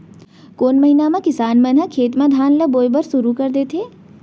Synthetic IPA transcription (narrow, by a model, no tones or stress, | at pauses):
koːnmɐɦinamãkɪsaːnmɐnɦəkʰeːt̪mãd̪ʱaːnləboːjbəɾsʊɾukɐɾd̪eːt̪ʰeː